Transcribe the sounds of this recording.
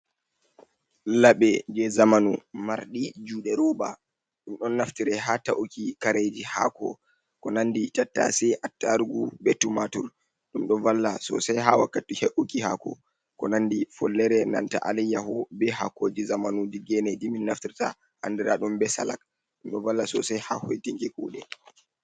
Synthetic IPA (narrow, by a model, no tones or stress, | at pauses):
laɓɛd͡ʒɛzamanumaɾɗid͡ʒuːɗɛɾɔba̰ | ɗumɗɔnːaftiɾɛɦataʔukikaɾed͡ʒiha̰kɔ̰ | kɔnanditatːa̰sɛʔatːaɾɡubɛtːumatṵɾ | ɗumɗɔvalːasɔ̰sajɦawakːatiheʔukihakɔ̰ | kɔnandifɔlːɛɾɛna̰nta̰ʔalɛjːahɔbɛha̰kːod͡ʒizamanudiɡɛnediminːaftiɾta | ha̰ndiɾaɗumbɛsa̰la̰k̚ | ɗumɗɔvalːasɔ̰sɛjhahojtiŋkɛkṵːɗɛ